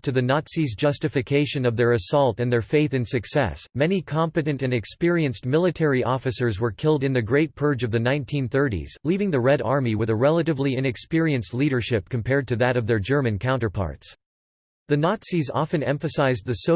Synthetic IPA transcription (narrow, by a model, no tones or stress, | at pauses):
tʰɨðɨnɑtsizd͡ʒʌstɨfɨkʰeɪʃɨ̃nʌvðə˞ɨsɔlˠtɨ̃nðə˞feɪθɨ̃nsɨksɛ̰smɛnikʰɑ̃mpɨɾɨ̃ntɨ̃nɨkspɪɹiɨ̃nst̚mɪlˠɨtʰɛɹiʔɔfɨsə˞zwə˞kʰɪlˠdɨ̃nðɨɡɹeɪt̚pʰɜ˞d͡ʒʌvðɨnãɪ̃ntʰĩnθɜ˞ɾḭz̥livɪ̃ŋðɨɹɛɾɑ̰ɹmiwɨðɨɹɛlˠəɾɨvliɪ̃nɨkspɪɹiɨ̃nstˡliɾə˞ʃɪp̚kʰɨ̃m̩pʰɛɹd̚tʰɨðɨɾʌvðə˞d͡ʒɜ˞mɨ̃nkʰãʊ̃ntə˞pʰɑ̰ɹts | ðɨnɑtsizɑ̰fɨ̃nɛ̰̃ɱfɨsaɪz̚ðɨso